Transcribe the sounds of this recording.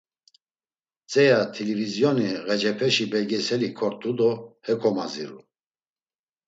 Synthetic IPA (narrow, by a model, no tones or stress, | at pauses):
t͡sʼɛjat̪ʰilivizjɔniɣɛd͡ʒɛpʰɛʃibɛɡɛsɛlikʰɔɾt̪ʰʼud̪ɔhɛkʰʼɔmazḭɾṵ